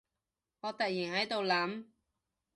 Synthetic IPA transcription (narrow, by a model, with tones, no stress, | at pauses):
ŋɔː˨˧t̪ɐ˨t̚jiː˨˩hɐ˨˥jt̪o˨wlɐ˨˥m